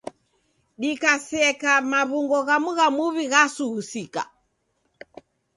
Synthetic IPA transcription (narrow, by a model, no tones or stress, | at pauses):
ɗikasɛkamaβuŋɡɔɣamuɣamuβiɣasuːsika̰